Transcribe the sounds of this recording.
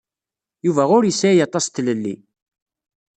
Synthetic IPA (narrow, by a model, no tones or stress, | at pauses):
juvæʁʊɾjəsːæjɑt̪ˤːɑst̪ləlːḭ